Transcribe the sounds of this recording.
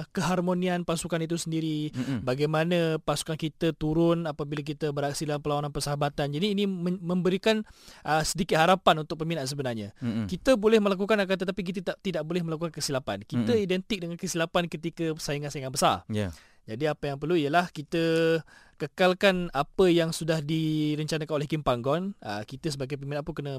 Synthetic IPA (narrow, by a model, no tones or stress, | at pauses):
kəɦarmonianpasukanit̪̬usəndiɾibaɡajmanapasu̥kankit̪ət̪uɾʊnapabilak̬it̪əbərɦaksidəlampəlawananpəsəɦabat̪and͡ʒadiːnĩmmə̃mbəɾikanʔəsədikɪt̪haɾapanunt̪ʊk̚pəminaʔs̬əbənarɲakit̪əbolɛhməlak̬ukanakat̪ət̪apik̬it̪ət̪t̪idaʔ̚bolɛhməlakukankəsilapankit̪əidɛnt̪ɪk̚dəŋankəsilapankət̪ikəsajəŋansajŋanbəsa̰rj | d͡ʒadiapəjaŋpərluijəlahkit̪ə | kəkalkanapəjaŋsudahdiɾəɲt͡ʃanakanolɛhkimpaŋɡɔnəkit̪əsəbaɡajp̬əmĩnaʔpukənə